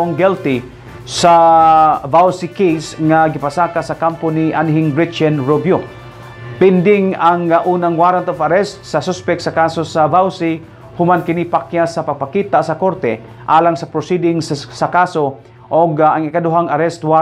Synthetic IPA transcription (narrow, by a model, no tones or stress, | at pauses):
ŋɡɛlt̪ɪ | sa | vawsikejsŋaɡɪpasaːkasɐkamponiʔanɦɪŋbɹɪt͡ʃanɹobjo | pɪnd̪ɪŋaŋʔuːnaŋwaɾant̪ofaɾɛst̪̚sɐsospɛkt̪sakaːsosavawsi | hʊmankɪnipakjasapaɡ̚pakiːt̪asɐkoɾt̪ɛ | ʔaːlaŋsɐpɾosid̪ɪŋssakaso | ʔoɡaŋɪkad̪ʊɦaŋaɾɛst̪wa